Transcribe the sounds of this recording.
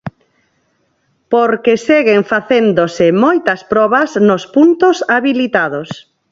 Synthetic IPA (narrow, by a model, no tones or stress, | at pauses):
poɾkeseɣeŋfaθend̪osɪmojt̪ɐspɾɔβɐznospunt̪osaβilit̪aðos